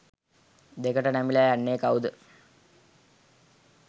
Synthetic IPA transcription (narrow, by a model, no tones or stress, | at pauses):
d̪ekəʈənæmilajanːeːkawd̪ə